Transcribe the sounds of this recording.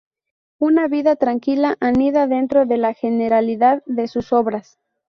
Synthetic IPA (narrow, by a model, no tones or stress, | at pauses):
unaβiðat̪ɾaŋkilaʔaniðaðe̞nt̪ɾo̞ðe̞laxe̞ne̞ɾaliðaðːe̞suso̞βɾas